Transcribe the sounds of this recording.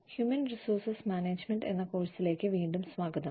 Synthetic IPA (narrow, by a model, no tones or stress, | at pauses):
hjumɐnrisoːrsɐsmʲaːneːd͡ʑmeɳɖe̞̰nːɐkoːɻsile̞ːkːɨʋiːɳɖumsʋaːɡɐðɐm